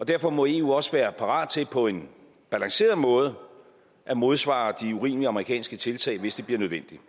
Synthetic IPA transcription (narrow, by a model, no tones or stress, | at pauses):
ɒ̽d̥æɐfɒ̽mɒ̽e̝ṵːɒ̽səʋæːɐpʰɑ̈ʁɑ̰̈ːd̥̚t͡sʰe̝lpʰɒ̽e̝n | b̥ælɑ̈ŋse̝̰ːɐðˠmɔ̽ːð̞ˠə | ʔæmo̝ð̞ˠsʋɑ̰̈d̥iuʁḭːməliɑ̈məʁikʰɛ̰ːnsɡ̥ət͡sʰe̝lt͡sʰɛ̰ɪʋe̝sd̥e̝b̥liɐnøð̞ˠʋen̰d̥i